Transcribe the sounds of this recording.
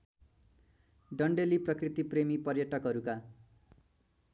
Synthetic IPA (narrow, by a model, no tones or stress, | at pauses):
ɖʌɳɖeliprʌkrit̪ipremipʌrjʌʈʌkɦʌɾuka